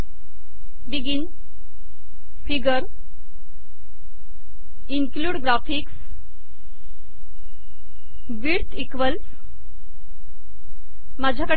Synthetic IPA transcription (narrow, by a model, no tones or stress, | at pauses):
biɡin | fiɡəɾ | iŋkluːɖɡɾafiks | ʋiɾt̪ikʋəls | mad͡ʑʱakəɽ